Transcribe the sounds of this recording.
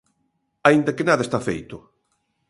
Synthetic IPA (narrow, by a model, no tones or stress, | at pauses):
aind̪ɐkenaðɐest̪afḛjt̪ʊ